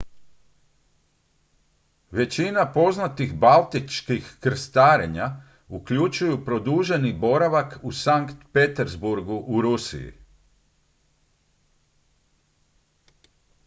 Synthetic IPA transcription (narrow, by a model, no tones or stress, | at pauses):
ʋe̞t͡ɕinapo̞znat̪ixbalt̪it͡ʃkixkr̩st̪aːɾe̞ɲa | ukʎut͡ʃujupɾo̞d̪uːʒe̞nibo̞ɾaʋakusaŋkt̪pe̞t̪eɾzbuɾɡuʔuɾusḭjḭ